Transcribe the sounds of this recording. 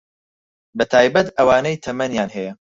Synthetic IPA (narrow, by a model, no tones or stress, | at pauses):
bɐt̪ʰaːjbɐt̪ɐwaːnɐjt̪ʰɐmɐnjaːnhɛjɐ